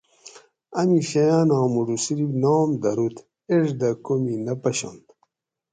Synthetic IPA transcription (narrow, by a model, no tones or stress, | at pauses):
ɐmiɕɐjaːnãːmuɖusiɾibnaːmd̪ɐɾut̪ | eʐd̪ɐkominɐpɐɕo̰nd̪